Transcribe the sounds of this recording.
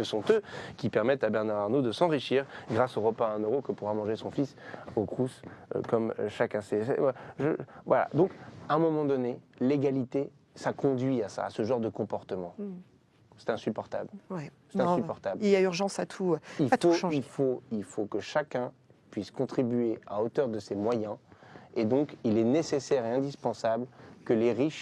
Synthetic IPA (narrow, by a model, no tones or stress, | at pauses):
səsɔ̃t̪økʲipɛʁmɛt̪abɛʁnaʁaʁnod̪əsɑ̃ʁiʃiʁɡʁasoʁəpaɛ̃nøʁokəpuʁamɑ̃ʒesɔ̃fisokχuskɔmʃakʲɛ̃sɛsɛ̰aʒəvwala̰d̪ɔ̃kɛ̃mɔmɑ̃d̪ɔneleɡalit̪e | sakɔ̃d̪ɥiasa̰ːsəʒɑ̃ʁd̪əkɔ̃pɔʁt̪əmɑ̃ | sɛ̥t̪ɛ̃sypɔʁt̪a̰blwɛ | sɛt̪ɛ̃sypɔʁt̪abliljayʁʒɑ̃sat̪ʰuiltfoʃilfoilfokəʃakʲɛ̃ | pɥiskɔ̃t̪χibɥeaot̪œʁd̪əsemwajɛ̃ed̪ɔ̃kilɛnesesɛʁeɛ̃d̪ispɑ̃sablkəleʁiʃ